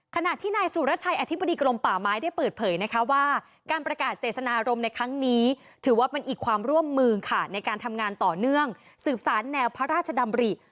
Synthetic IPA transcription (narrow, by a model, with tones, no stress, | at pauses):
kʰa˧na˨˩t̪ʰiː˥˩naː˧jsuː˨˦ɾa˦˥t͡ɕʰa˧jʔa˧t̪ʰi˦˥bːa˧diː˧kɾo˧mpaː˨˩maː˦˥jda˥˩jpɤː˨˩t̪̚pʰɤː˨˩˦jna˦˥kʰa˦˥waː˥˩ | kaː˧npɾa˧kaː˨˩t̪̚seː˨˩sa˧naː˧ʔɾo˧mna˧jkʰɾa˦˥ŋniː˦˥ | t̪ʰɯː˩˦waː˥˩pe˧nʔiː˨˩kʰwaː˧mɾu˥˩əmːɯː˧kʰa˥˩na˧jkaː˧nt̪ʰa˧mŋaː˧nt̪ɔː˨˩nɯ˥˩əŋ | sɯː˨˩p̚saː˩˦nːɛː˧wpʰa˦˥ɾaː˥˩t̪̚t͡ɕʰa˧da˧mɾi˨˩